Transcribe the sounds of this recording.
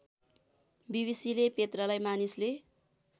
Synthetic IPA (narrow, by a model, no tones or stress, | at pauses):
bibisilepet̪rʌlajmanisle